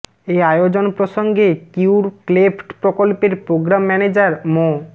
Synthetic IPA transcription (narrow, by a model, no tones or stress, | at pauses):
eajod͡ʑonpɾoʃoŋɡekiwɾklefʰʈpɾokolpeɾpɾoɡɾamːɛned͡ʑaɾmo